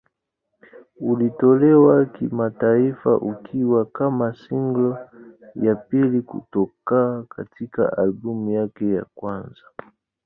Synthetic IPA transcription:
ulitɔlɛwakimataifa̰ʔukʰiwakamasiŋɡlɔjapilikṵtɔkakatika̰ʔalbumjakɛja̰kwanza

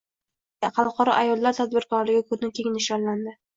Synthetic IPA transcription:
χɑlˠqɒɾɒ̰ʔajɒlˠlːaɾt̪ʰad̪̚bɪɾkɒɾlɪɡʲɪkʰɵznɪkʲʰeŋʲɪnɪʃɒɾland̪ɪ

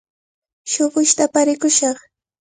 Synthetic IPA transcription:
ʃoɢʊʃt̪apaɾɪkʊʃɑχ

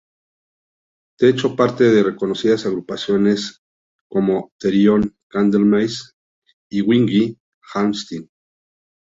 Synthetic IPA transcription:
t̪eet͡ʃopaɾt̪eðerekonosiðasaɣɾupasjones | komot̪eɾjoŋkand̪elmajs | iwiŋɡi | xamst̪in

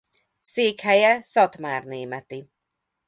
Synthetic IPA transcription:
siːkʰɛjɛsɔdmarniːmɛd̥i

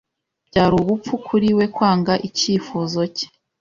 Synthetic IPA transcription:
b̥ɟaːɾuβupp͡fukʰuɾiwe̞kwaːŋɡaʔiciːfuzo̞ce̥

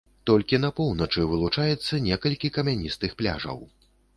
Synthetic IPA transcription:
t̪ɔlʲkʲinɐpɔwnɐt͡ʂɨvɨlˠut͡ʂajɛt̪sːɐnʲɛkɐlʲkʲikɐmʲanʲist̪ɨxplʲa̰ʐɐ̰w

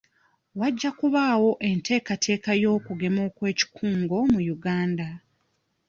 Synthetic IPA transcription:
waɟːakuβaːwo̞ʔe̞ntʰe̞ːkatʰe̞ːkajo̞ːkuɡe̞mo̞ːkwe̞ːci̥kʰuːŋɡo̞mujuɡaːnda

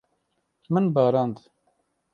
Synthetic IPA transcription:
mɨnbɑːɾɑːnd̪

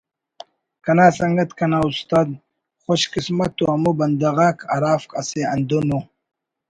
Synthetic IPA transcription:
kɐnaːsɐŋɡɐt̪kʰɐnaust̪aːd̪ | χoɕkismɐt̪oamubɐnd̪aɣaːkʰa̰ɾaːfkʼaseɐnd̪ono

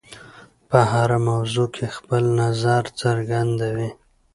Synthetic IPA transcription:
pəɦaɾamawzokʰexpəlnazaɾt͡səɾɡand̪awi

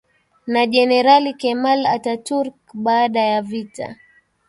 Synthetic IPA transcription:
naʄɛnɛɾalikɛmalatatuɾkɓaːɗajavita̰

